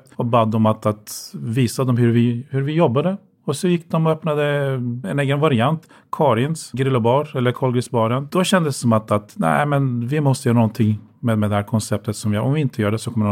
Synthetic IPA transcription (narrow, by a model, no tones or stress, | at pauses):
t̪ɔbad̪ːɔmat̪at̪viːsad̪ɔmɦɵɾvɪhɵɾvɪjɔbːad̪ə | ɔsɔjɪkːd̪ɔmɔœpnad̪əɛneːɡənvaɾɪant̪ | kʰɑːɾɪnsɡɾɪlːɔbɑɾɛlːəɾkʰɔlɡɾɪsbɑːɾənd̪ɔɕɛnd̪əsːɔmat̪at̪næ̰ɪmɛnvɪmɔst̪əjœːɾanɔnt̪ʰɪŋmed̪mɛd̪ɛhæːɾkʰɔnsɛp̚t̪ʰət̪sɔmvɪjːɾʔɔmvɪɪnt̪ʰəjœːɖɛsɔkʰɔmːəɳ